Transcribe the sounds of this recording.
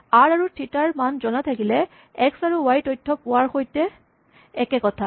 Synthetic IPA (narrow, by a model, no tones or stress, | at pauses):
aɹaɹutʰitaɹmanzɔnat̪ʰakilɛ | ɛksaɹuwajtojtʰːɔpʊwaɹxojtɛ | ɛkɛkɔtʰa